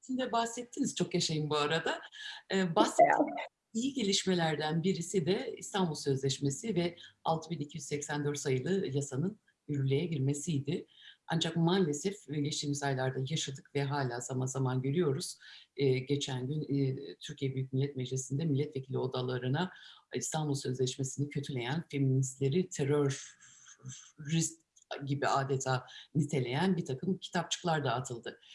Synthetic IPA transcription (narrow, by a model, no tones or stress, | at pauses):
sind̪ɛbahsɛt̪ʰːiniz̥t͡ʃʰo̞kjaʃajɯmbuaɾad̪aː | basɛ | ijiɟe̞lʲiʃme̞lʲæɾd̪ænbiɾisid̪ɛḭst̪ʰanbulˠsø̞zlʲɛʃme̞sivɛalˠt̪ʰɯbinicʰijyzsɛcsænd̪øɾt̪sajɯlˠɯjasanɯn | yɾʲylʲe̞jɛɟiɾme̞sijd̪ɪa̰nd͡ʒakmaːlʲe̞sɛfɟet͡ʃt̪iːmizajlˠaɾd̪ajaʃad̪ɯkvɛɦaːlʲaːzamanzamanɟø̞ɾyjo̞ɾuz̥ɟe̞t͡ʃʰænɟynt̪ʰyɾcʰijɛbyjyc̚milʲːɛt̪med͡ʒlʲisind̪ɛmilʲːɛt̪ve̞cʰilʲio̞d̪alˠaɾɯnaist̪ʰanbulˠsø̞zlʲɛʃmesinɛcʰø̞t̪ʰylʲe̞jænfe̞minist̪lʲe̞ɾit̪ʰe̞ɾøɾ | ist̪ | ɟibiaːd̪et̪ʰaːnit̪ʰe̞lʲe̞jænbiɾt̪ʰakɯmcʰi̥t̪ʰap̚t͡ʃʰɯ̥klˠaɾd̪aːt̪ʰɯlˠd̪ɯ